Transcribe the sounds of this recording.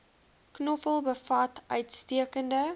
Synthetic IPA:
knɔpəlˠbəfɐtœɥtstiəkəndə

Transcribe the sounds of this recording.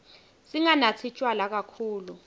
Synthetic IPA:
siŋanat͡sʰit͡ʃʼwalak̬akʰuːlu

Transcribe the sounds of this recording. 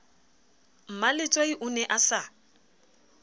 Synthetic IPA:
m̩malɪt͡sʼwaiʔʊnɛʔasa

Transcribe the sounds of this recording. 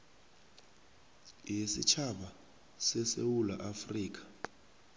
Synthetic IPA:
jisḭt͡ʃʰaɓa | sɛsewulaʔafriːk̬ḁ

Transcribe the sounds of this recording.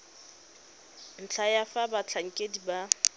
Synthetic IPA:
n̩t͡ɬʰajafabat͡ɬʰaŋ̩kʼediba

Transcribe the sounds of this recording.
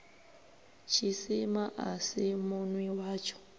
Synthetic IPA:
t͡ʃʰisimaʔasimunwiwaːt͡ʃʰɔ̥

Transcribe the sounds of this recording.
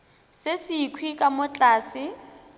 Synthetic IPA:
sɪsiːkʰwikʼamʊt͡ɬʼaːsɪ

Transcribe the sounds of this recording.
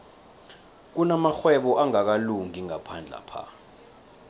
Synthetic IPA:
k̬unamaxwɛɓɔʔaŋak̬aluŋiŋapʰand͡ɮʱa̰pʰa̰

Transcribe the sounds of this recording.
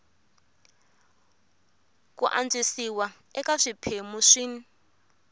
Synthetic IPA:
k̬ʼṵʔa̰nd͡zisiwa | ɛkaʂipʰemuʂin

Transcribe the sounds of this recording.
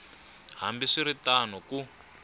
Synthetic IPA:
ɦa̰mbiʂiɾitanɔku

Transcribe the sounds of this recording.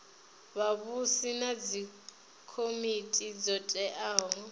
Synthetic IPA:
βaβusinad͡zi | kʰomitʼid͡zɔtʼɛʔaːɦɔ

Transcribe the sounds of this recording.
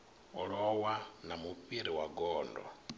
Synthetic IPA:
olowanamupiɾiwaɡoːndo̰

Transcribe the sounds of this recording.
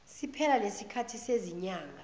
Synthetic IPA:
sipʰɛlalesikʰatʰiseziɲaːŋʱa

